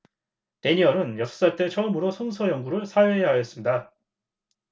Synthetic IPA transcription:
te̞ɲiʌɾɯnjʌsʰʌ̥s͈aɭt͈e̞t͡ɕʰʌɯmɯɾosʰoŋsʰʌjʌŋɡuɾɯɭsʰajoɦeɦajʌs͈ɯmɲida

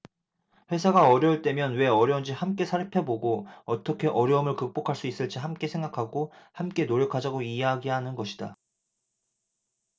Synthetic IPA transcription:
ɸwe̞sʰaɡaʌɾjʌɯɭt͈e̞mjʌnwe̞ʌɾjʌund͡ʑihamk͈e̞sʰaɾpʰeboɡoʌt͈ʌkʰe̞ʔʌɾjʌɯmɯɭkɯk̚p͈okʰaɭs͈uis͈ɯɭt͡ɕ͈iɦamk͈e̞sʰe̞ŋɡakʰaɡohamk͈e̞noɾjʌkʰad͡ʑaɡoieɦaɡiɦanɯnɡʌɕʰi̥d̥a

